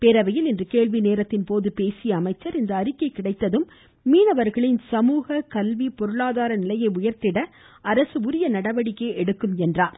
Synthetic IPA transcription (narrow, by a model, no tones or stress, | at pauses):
pɛɾɐʋɐjɪlɪndrɯkeːɭʋineːɾɐt̪ːɪnpoːðɯpeːsɪjɐːmɐɪt͡ʃːɐɾɪnd̪ɐːɾɪkːɐɪkːɪɽɐɪt̪ːɐðɯmː | iːnɐʋɐɾɣɐɭɪnsɐmuːɣɐkɐlʋipɔɾɯɭaːðaːɾɐnɪlɐjɐɪʊjɐɾt̪ɪɽɐ | ɐɾɐsɯʊɾɪjɐnɐɽɐʋɐɽɪkːeːʔɛɽɯkːɯmɛndraːɾ